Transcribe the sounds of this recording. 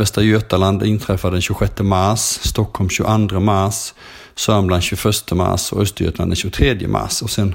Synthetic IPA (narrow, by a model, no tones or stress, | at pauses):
vɛst̪ɾajøt̪aland̪ɪnt̪ʰɾɛfad̪ɛnɕʉɧɛt̪ːəmaɾʂːt̪ɔkʰːɔlmɕʉʔand̪ɾəmaɾʂː | œːmblanɕʉfœʂt̪ʰəma̰ʂɔ̰œst̪əɾjœ̰t̪lanɛnɕʉɡʊt̪ʰɾeːd̪jə̰mʔa̰ʂɔsɛn